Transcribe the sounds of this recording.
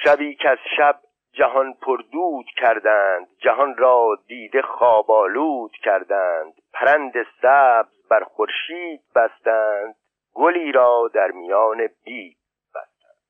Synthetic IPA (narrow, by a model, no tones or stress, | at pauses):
ʃæbiːkʰeæzʃæb̚ | d͡ʒæɦɒnpʰoɾd̪uːd̪̥kʰæɾd̪æːnd̪d͡ʒæɦɒnrɒːd̪iːd̪e̞xɒːbɒːluːd̪̥cʰæɾd̪æːnd̪̥pʰæɾænd̪esæːbzbæɾxoɾʃiːd̪̚bæst̪æːnd̪̥̚ | ɡoliːɾɒːd̪æɾmijɒːneb̥iːd̚ | b̥æ̰st̪ænd̪̥